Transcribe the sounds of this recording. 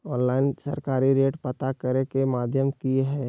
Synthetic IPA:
ɔːnlaːɪnsɐ̰ɾkaːɾiɾeːʈpɐt̪akɐɾekemaːd̪ʱjəmkiɦɛː

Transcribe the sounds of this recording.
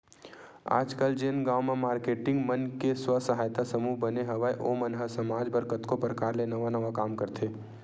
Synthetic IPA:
a̰ːd͡ʒkəld͡ʒeːnɡaːwmẽmaːɾkeːʈɪ̃ŋɡmənkeswəsəɦaːjt̪asəmuːɦbəneɦɐʋajʔomənɦəsɐmaːd͡ʒbəɾkət̪kopɾəkaːɾlenɐʋanɐʋakaːmkəɾt̪ʰe

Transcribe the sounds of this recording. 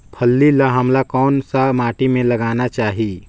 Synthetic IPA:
pʰəlːilaɦɐmlakɔːnsamaːʈimẽlɐɡaːnat͡ʃaːɦiː

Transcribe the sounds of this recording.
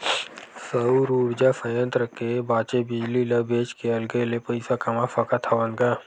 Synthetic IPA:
səuɾuːɾd͡ʒasəjə̃nt̪ɾəkebaːt͡ʃebɪd͡ʒliləbʱeːt͡ʃkeɐlɡəlepɐɪsakɐmafɐkat̪ʰaʋə̃nɡaː

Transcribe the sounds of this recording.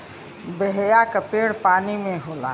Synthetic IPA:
bəɦjakəpeːɽpaːnimẽɦoːla̰

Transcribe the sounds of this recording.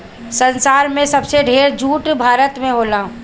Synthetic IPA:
sə̃nsaːɾmẽsɐbseɖʱeːɾd͡ʒuːʈbʱaːɾət̪mẽɦoːlãː

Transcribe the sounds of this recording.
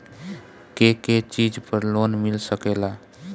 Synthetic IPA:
keket͡ʃid͡ʒpəɾlonmilsəkela

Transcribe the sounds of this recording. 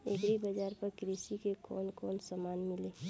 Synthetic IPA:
ḛɡɾibəd͡ʒaːɾpəɾkɾisikekɔːnkɔːnsamaːnmɪleː

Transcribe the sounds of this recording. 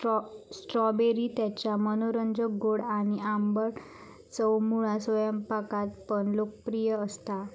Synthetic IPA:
sʈɾɔbeɾit̪jat͡ɕamənoɾəɲd͡ʑəɡoɽañiambəɾ | t͡səwmuɭasʋəjəmpakat̪̚pəɳlokəpɾijəːst̪a

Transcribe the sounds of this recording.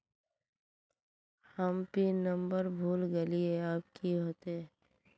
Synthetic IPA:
həmpinə̃mbəɾbʱuːlɡəlieaːp̚kiɦoːt̪e

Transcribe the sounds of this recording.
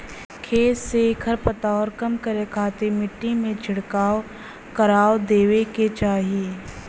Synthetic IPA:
kʰeːsekʰəɾpət̪aɔːɾkɐmkəɾekʰaːt̪emɪʈːimẽd͡ʒʱɪɽkaːo | kɐɾaːod̪eːʋeket͡ʃaːɦie

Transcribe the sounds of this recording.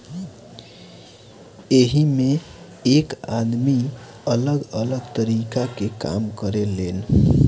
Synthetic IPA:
eɦime | kad̪mi | ələɡələɡt̪əɾikakeka̰mkəɾelen

